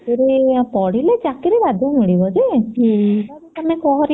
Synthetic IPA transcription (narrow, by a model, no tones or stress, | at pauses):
keɾepɔɽiled͡ʒakiɾibad̪ʱɔmiɽibɔd͡ʒe | t̪aɾeamekɔɦɔɾi